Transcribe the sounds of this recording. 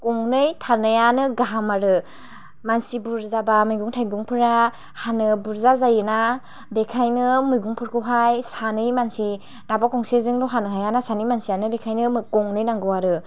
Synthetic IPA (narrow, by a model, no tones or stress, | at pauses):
kɔŋnɯjtʰanɯjanɯɡaɦamaɾɯ | mansibuɾzabamɯjɡuŋtʰajɡuŋpʰɯɾa | hanɯbuɾzazajɯna | bekʰajnɯmɯjɡuŋpʰɯɾkʰɯɦajsanɯjmansi | dabakʰɔŋsezɯŋdɔɦanɯɦajanasanɯjmansijanɯbekʰajnɯmɯkɔŋnɯjnaŋɡɯwaɾɯ